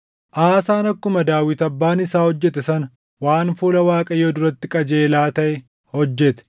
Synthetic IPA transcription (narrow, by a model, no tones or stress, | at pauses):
ʔaːsaːnɐkːʊmɐd̪aːwɪt̪ɐbːaːnɪsaːhɔd͡ʒːɛt̪ɛsɐnɐ | waːnfuːlɐwaːkʼɐjod̪ʊɾɐt̪ːɪkʼɐd͡ʒe̞ːlaːt̪ɐʔɛ | hɔd͡ʒːɛt̪ɛ̥